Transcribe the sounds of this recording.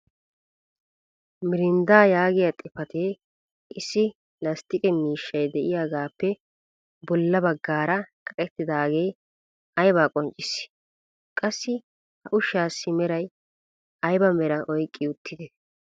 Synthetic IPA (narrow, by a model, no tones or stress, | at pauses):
mɪɾɪnd̪aːjaːɡɪjɐt̪ʼɪfɐt̪eː | ʔɪsːɪ | lɐst̪ɪkʼɛmiːʃːɐjd̪ɛʔɪjaːɡaːpːɛ | bɔlːɐbɐɡːaːɾɐkʼɐkʼɛt̪ːɪd̪aːɡe̞ː | ɐjbaːkʼɔnt͡ʃʼːɪsː | kʼɐsːɪ | hɐʔʊʃːaːsːɪmɛɾɐj | ɐjbɐmɛɾɐʔɔjkʼːɪʊt̪ʰːɪd̪ɛ